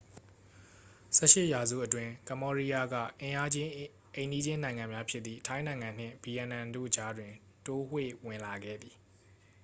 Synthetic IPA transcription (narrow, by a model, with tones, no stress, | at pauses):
sɛ̰˦˨ʃɪ˦ʔja˨zṵ˦˨ʔətwɪ̃˨kã˨mbɔ˦ɹi˦ja˦ɡä̰˦˨ʔɪ̃˨ʔa˦d͡ʑɪ̃˦ | ʔẽ˨ndi˦d͡ʑɪ̃˦nã˨ɪ̃ŋã˨mja˦pʰjɪ˦t̪t̪θḭ˦˨tʰã˦ɪ̃nã˨ɪ̃ŋã˨n̥ɪ̰̃˦˨bi˨jɛ̃˨nã˨ndo̰˦˨d͡ʑa˦dwɪ̃˨n | to˦hwḛ˦˨wɪ̃˨nla˨ɡɛ̰˦˨d̪i˨